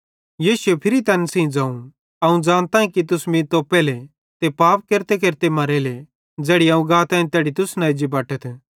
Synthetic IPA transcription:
jiːsʊepʰɪɾit̪ɐːnsĩĩd͡ʒãːũ | ɐũd͡ʒaːnt̪ãːĩkit̪̬ʊsmĩt̪õpɛːle | t̪epaːp̚keɾt̪ekeɾt̪emɐɾele | d͡zɛːɽiɐũɡaːt̪ãːĩt̪ɛːɽit̪ʊsnaːid͡ʒibaːʈət̪ʰ

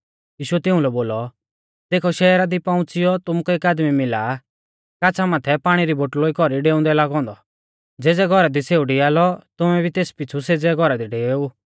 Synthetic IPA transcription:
jiːʃuɛt̪ɪũlɛboːlɔ | d̪̥eːkʰɔʃɛːɾad̪ipɐ̃ʊ̃t͡sɪjɔt̪ʊmukɔeːkaːd̪mimɪlaː | kaːt͡sʰamaːt̪ʰɛpaːɽ̃iɾiboːʈloːikɔɾiɖeːʊ̃nd̪ɛlaːɡɔ̃ːnd̪ɔ | d͡zeːd͡zɛɡʱɔɾad̪iseːuɖijaːlɔt̪ʊmɛbʱit̪eːspɪt͡sʰused͡zɛɡʱɔɾad̪iɖeːu

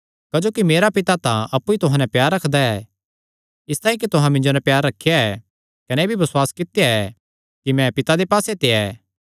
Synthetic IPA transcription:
kɐd͡ʒoːkimeːɾapɪt̪at̪ãɐpːuit̪ʊɦãnɛpjaːɾːɐkʰd̪aɛ | ɪst̪aːĩkit̪ʊɦãmɪ̃nd͡ʒonɛpjaːɾːɐkʰːejaɛ | kɐnebʱibɐsʊwaːskɪt̪ejaɛ | kimɛ̃pɪt̪ad̪epaːset̪eɛː

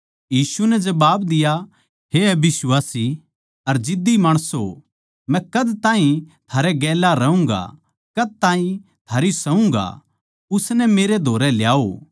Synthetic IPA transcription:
jiːsunɛd͡ʒɐbaːbd̪ɪja | ɦeɐbɪswaːsi | ɐɾd͡ʒɪd̪imaːɽ̃əso | mɛ̃kɐd̪t̪ãːĩt̪ʰaːɾɛɡɛːlaɾɐũŋɡa̰ | kɐd̪̚t̪ãːɦĩ | t̪ʰaːɾisɐũŋɡa̰ | ʊsnɛmeːɾed̪ʱoːɾɛljaːo

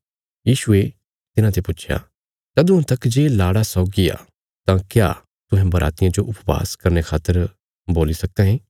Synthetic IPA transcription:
jiːʃʊe | t̪ɪnãt̪ʰepʊt͡ʃʰeja̰ | t̪ɐd̪ũt̪ɐkːd͡ʒeːlaːɽasɔːɡia̰ | t̪ãkja̰ː | t̪ʊ̃ɦɛ̃bɐɾʔa̰ːt̪ɪjãd͡ʒoʔʊpʋa̰ːskɐɾnekʰaːt̪ːəɾ | boːlisɐk̚d̪ɛ̃ɦẽː

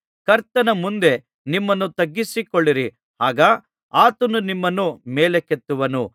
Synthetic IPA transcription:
kɐɾt̪ɐnɐmund̪e̞ | nimːɐnːut̪ɐɡːisikoɭːiɾi | haːɡaː | aːt̪ɐnunimːɐnumeːleket̪ːuʋɐnu

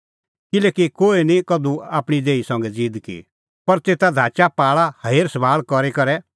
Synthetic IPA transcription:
kɪlɛːkikoːinikɐd̪uaːpɽ̃id̪eːisɔ̃ːŋɡɛd͡ziːd̪kḭ | pɐɾt̪eːt̪ad̪ʱaːt͡ʃapaːɭahɐeːɾsəbʱaːɭkɔɾekɐɾɛ

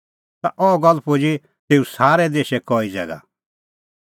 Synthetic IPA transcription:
t̪aʔɔɡɔlpʰod͡ʒi | t̪eːũsaːɾɛd̪eːʃɛkɔːid͡zɛ̰ːɡa̰

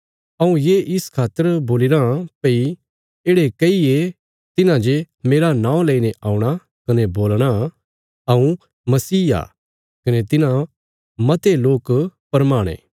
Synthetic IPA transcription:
ɐũjeːʔɪskʰaːt̪ːəɾboːlɪɾãpɐi | eːɽekɐie | t̪ɪnãd͡ʒe | meːɾanãːõlɐineʔaːũɽ̃a | kɐneboːlɽ̃a | ɐũ | mɐsiːa̰ː | kɐnet̪ɪnã | mɐt̪eloːkpɐɾmaːɽ̃ḛ̃ː

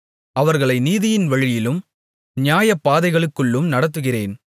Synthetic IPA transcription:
ɐʋɐɾɣɐɭɐɪniːðɪjɪnʋɐɻɪjɪlɯm | nɪjaːjɐpːaːðɐɪɣɐɭɯkːɯɭːɯmnɐɽɐt̪ːɯɣɪreːn

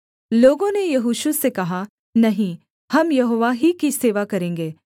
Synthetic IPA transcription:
loːɡõnejɐɦuʃusekɐɦa | nɐɦĩ | hɐmjɐɦoːʋaɦikiseːʋakɐɾẽːŋɡeː

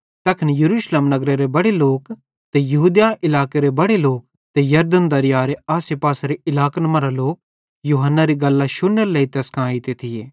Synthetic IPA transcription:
t̪ɐkʰənjɐɾuːʃlemnɐɡɾeɾebɐɽeloːk | t̪ejɐɦuːd̪jaɪlaːkeɾebɐɽeloːk | t̪ejɐɾd̪ənd̪ɐɾɪjaːɾeaːsepaːsaɾeɪlaːknɐmaɾaloːk̚ | juːɦənːaɾiɡɐlːaʃʊnːəɾleit̪eːskʰãːit̪et̪ʰɪjeː

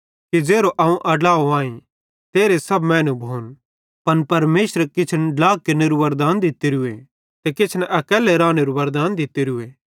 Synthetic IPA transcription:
kid͡ʒeːɾoʔɐũʔɐɖlaːoaːĩ | t̪eːɾesɐbmɛːnubʱoːn | pɐnpɐɾmeːʃɾkɪt͡ʃʰənɖlaːkːeneɾuʋɐɾd̪aːnd̪ɪt̪iɾʊe | t̪ekɪt͡ʃʰnɛʔɐkɛːlɛɾaːneɾuʋɐɾd̪aːnd̪ɪt̪eɾʊeː

